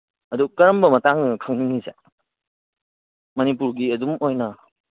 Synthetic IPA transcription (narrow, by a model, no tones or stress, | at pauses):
ɐdukɐɾɐmbɐmɐtaŋnɐkʰɐŋniŋizḛ | mɐnip̬uɾɡiɐdumojnɐ